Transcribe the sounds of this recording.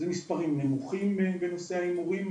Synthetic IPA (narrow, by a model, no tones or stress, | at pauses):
zemispaʁimnemuχimbebeno̞seaimuʁim